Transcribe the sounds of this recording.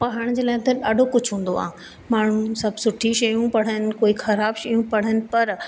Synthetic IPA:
pɐɦəɽ̃d͡ʑeːlaːɦɪt̪ɐɗaːɖʱokʊd͡ʑʱɦũːn̆d̪o̰a̰ːɦ | maːɳ̤ũsɐbsʊʈʰiʃɐjũpɐɽ̤ənɪ̆koːixɐɾaːbʃɐjũpɐɽ̤ənɪ̆pɐɾ

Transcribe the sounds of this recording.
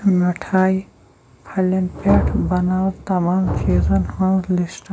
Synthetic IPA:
nɐʈʰaːi | pʰɐlɐnpeʈʰbɐnaːwɾt̪ɐmaːmt͡ʃʰiːzɐnhɐnzlisʈ

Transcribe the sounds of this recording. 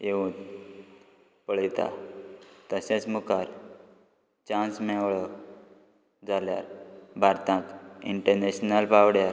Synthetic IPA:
jeũt̪ | pəɭit̪a̰ | t̪əsẽt͡smukaɾ | t͡ɕãnsmɛwɭɔ | d͡zalja̰ɾbʱaɾt̪ʰãkiɳʈəɾneɕnəlpawɽjaɾ

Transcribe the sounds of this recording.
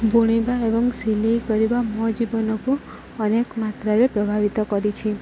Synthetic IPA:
buɽ̃ibaebɔŋsilikɔɾibamɔd͡ʒibɔnɔku | ɔnekmat̪ɾaɾepɾɔbʱaʋit̪ɔkɔɾit͡ʃʰi

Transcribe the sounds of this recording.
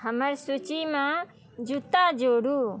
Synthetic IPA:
ɦəməɾsut͡ʃimãː | d͡ʒut̪aːd͡ʒoːɽuː

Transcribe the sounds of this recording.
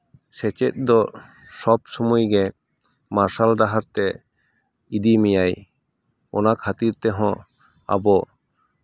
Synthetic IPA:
sɛt͡ʃɛt̪̚ˀd̪ɔ | sɔbsɔmujɡɛ | maɾsalɖaɦaɾt̪ɛ | id̪imijaj | ɔnakʰat̪iɾt̪ɛɦɔ̃ | a̰bɔ

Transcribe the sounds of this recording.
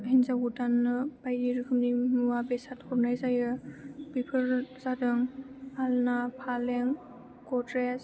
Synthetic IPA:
inzaɡudanːɯb̥ajɾiɾɯkʰɯmnimuwabesatkʰɔɾnajzajɯbipʰɯɾzadɯŋalnapʰaleŋ | kɔtɾes

